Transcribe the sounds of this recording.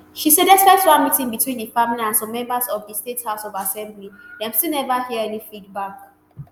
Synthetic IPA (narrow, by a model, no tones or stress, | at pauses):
ʃisedɛsɛk̚twãnmitĩŋbitʰwĩnðəfamiliãnsɔ̃mːɛ̃mbəzɔvðəstethaʊsɔvasɛ̃mblidãmstilˠnɛvahiəɛnifid̚bak